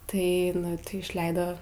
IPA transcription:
tɐɪ nʊ ˈtɐɪ ɪʃʲˈlʲɛɪdoː

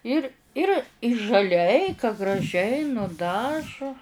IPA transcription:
ˈɪr ˈɪr ʒɐˈlʲɛɪ kɐ ɡrɐˈʒʲɛɪ nʊˈdɑːʒʊ

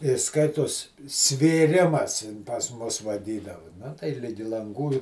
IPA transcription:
ɪ ˈskɐɪtoːs sʲʋʲeːˈrʲɪmɐs ɪn pɐs ˈmʊs ʋɐˈdʲiːdɐʋʊ ˈnɐ tɐɪ ˈlʲɪɡʲɪ lˠɐŋˈɡuː ɪ

